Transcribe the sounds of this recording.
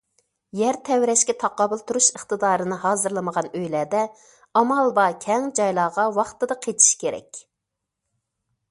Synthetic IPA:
jæɾt̪ʰɛwɾɛʃkʲɛt̪ʰɑqɑːbɨlˠt̪ʰuɾuʃəχt̪ɨd̪ɑːɾɨnɨhɑːzɨɾlˠɨməʁɑnøjlɛːd̪ɛ | ɑmɑlˠbɑkʲʰɛŋd͡ʒɑjlˠɑːʁɑwɑχt̪ɨd̪ɑqʰet͡ʃ̪ʰi̥ʃkʲʰeɾɛ̰kʲ

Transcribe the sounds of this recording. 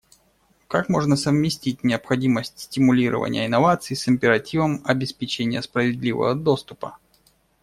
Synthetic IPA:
kakmo̞ʐnəsəvmʲɪsʲtʲit̚ʲnʲɪəpxɐdʲiməsʲtʲsʲtʲɪmʊlʲiɾʔə̰və̰nʲɪjə̰ɪnːɐvat̪sɨːsɪmʲpʲɪɾɐtʲivəmɐbʲɪspʲɪt͡ɕenʲɪjəspɾəvʲɪd̪ʲlʲivə̰vəd̪o̞st̪ʊpə

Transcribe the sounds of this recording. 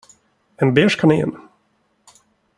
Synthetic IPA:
ɛnbeːʂkʰanḛːn

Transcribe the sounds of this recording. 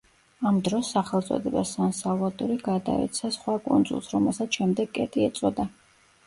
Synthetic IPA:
amd̪ɾɔsːaχɛlˠt̪sʼɔ̰d̪ɛbasansavlˠad̪ʼuɾiɡad̪a̰ɛ̰t̪sʰasχwakʼund̪zṵlˠsɾɔmɛlˠsat̪ʃɛmd̪ɛɡkʼɛt̪ʼiɛt̪sʼɔd̪a

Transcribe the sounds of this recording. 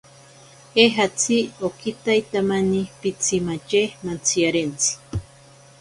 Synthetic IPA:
eɦat͡sʰiokit̪ajt̪amanipit͡sʰimat͡ʃehmant͡sʰiaɾent͡sʰi̥

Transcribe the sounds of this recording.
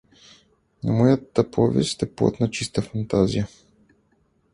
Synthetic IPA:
n̰mɔjat̪ɐpʰovʲɛ̰sʲt̪ɛpo̰t̪nɐt͡ʃist̪əfɐnt̪azʲijə

